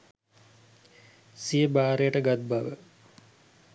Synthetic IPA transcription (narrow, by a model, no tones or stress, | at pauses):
sijəbaːɾejəʈəɡat̪̚baʋə